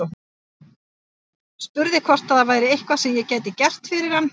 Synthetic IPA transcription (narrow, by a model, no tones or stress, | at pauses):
spʏɾðɪkʰvɔr̥t̪aðavaːjɾɪejhkvasɛmjɛcaːjt̪ɪcɛr̥t̪fɪɾɪɾ̥hanː